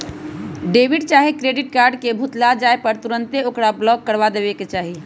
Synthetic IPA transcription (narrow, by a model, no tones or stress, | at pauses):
ɖeːʋiɖt͡ʃaːɦekɾeːɖɪʈ̚kaːɾɖkebʱut̪lad͡ʒaːepəɾt̪uɾə̃nt̪eokɽablɔːɡ̚kəɾʋad̪eʋeket͡ʃaːɦi